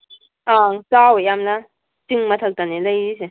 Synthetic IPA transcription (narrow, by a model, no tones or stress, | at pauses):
ʔaŋsawəamla | t͡ɕiŋmat̪ʰək̚t̪aneləjdisi